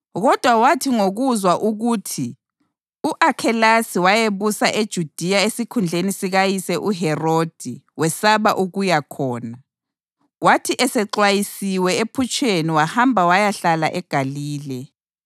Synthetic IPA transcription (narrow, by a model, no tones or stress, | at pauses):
ɣɔd̥ʱwawatʰiŋoɣuzwaʔuɣuːtʰi | uʔakʰɛlasiwajeβusaʔed̥ʒ̥ʱud̥ʱijaesikʰund͡ɮʱenisiɣajisɛʔuɦɛrod̥ʱiwɛsaβaʔuɣujakʰɔːna | watʰiʔɛsɛǃwajisiwɛepʰut͡ʃʰʼeniwahambʱawajaɬala̰ʔɛɡ̥ʱaliːlɛ